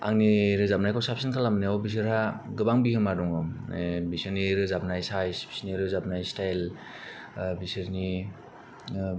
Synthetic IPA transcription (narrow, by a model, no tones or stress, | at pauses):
a̰ŋniɾɯzap̚najkʰawsap̚sinkʰalamniawbis̬ɯɾhaɡɯbaŋbihɯmadɔŋɔbisɯniɾɯzapnajsajsbi̥siniɾɯzap̚najstajl | bisɯɾni